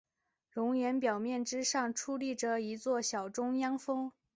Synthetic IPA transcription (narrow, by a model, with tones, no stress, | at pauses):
ɻʊ˧˥ŋjɛ˧˥npjɑ˨˩ʊmjɛ˥˩nʈ͡ʂɻ̩˥ʂɑ˥˩ŋʈ͡ʂʰu˥li˥˩ʈ͡ʂə˨˩i˧˥t͡swɔ˥˩ɕjɑ˨˩ʊʈ͡ʂʊ˥ŋjɑ˥ŋfɤ˥ŋ